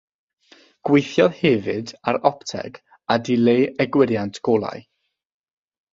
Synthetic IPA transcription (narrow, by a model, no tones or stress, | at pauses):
ɡ̥wejθjɔðhɛvɨdaɾɔptʰɛ̰ɡ | adɪlejɛɡwɪɾjantʰɡ̥oːlˠa̰j